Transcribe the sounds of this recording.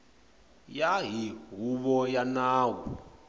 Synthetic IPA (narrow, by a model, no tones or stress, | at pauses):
jaɦiɦuβɔjanaːwɔ̰